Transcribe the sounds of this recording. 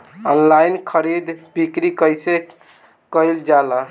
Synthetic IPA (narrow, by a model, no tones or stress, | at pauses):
ənlajnkʰəɾid̪bikɾikəjse | kəjld͡ʒalə